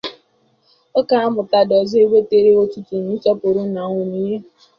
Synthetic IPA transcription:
o˦ka˨a˦mʊ˨ta˦dɔ˨zɔ˦e˦ɡ͡be˦te˨ɾe˦o˦tu˦tu˨n˨i˦tɔ˦pʊ˨ɾʊ˦na˨ŋʷʊ˨ni˨ɲe˦

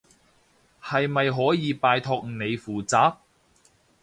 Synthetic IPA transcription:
hɐ˨jmɐ˨jɦɔː˨˥jiː˨˧paː˨jt̪ʰɔ˧k̚ne˨˧jfuː˨˩t͡saː˨˥p̚

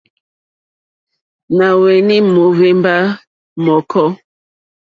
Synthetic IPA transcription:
na˨wɛ˨ni˦mo˨ve˦mba˦ | mɔ˨kʰɔ˦

